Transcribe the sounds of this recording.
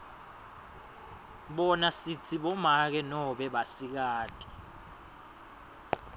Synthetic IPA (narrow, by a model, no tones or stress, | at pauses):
ɓɔnasit͡sʰiɓɔmak̬ɛnɔɓɛɓasik̬aːtʼi̥